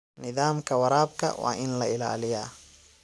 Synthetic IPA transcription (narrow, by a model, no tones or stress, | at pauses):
nɪðaːmkʰɐwɐɾaːb̚kʰɐ̰wa̰ːʔɪnlɐɪla̰ːlɪjaː